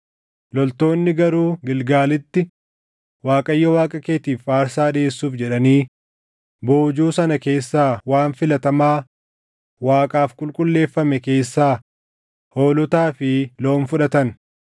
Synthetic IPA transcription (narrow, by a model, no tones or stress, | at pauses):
lɔlt̪o̞ːnːɪɡɐɾuːɡɪlɡaːlɪt̪ːɪ | waːkʼɐjːɐwaːkʼɐke̞ːt̪iːfaːɾsaːᶑe̞ːsːuːfd͡ʒɛᶑɐniː | bo̞ːd͡ʒuːsɐnɐke̞ːsːaːwaːnfɪlɐt̪ɐmaː | waːkʼaːfkʼʊlkʼʊlːe̞ːfːɐmɛke̞ːsːaː | ho̞ːlʊt̪aːfɪlo̞ːnfʊᶑɐt̪ɐn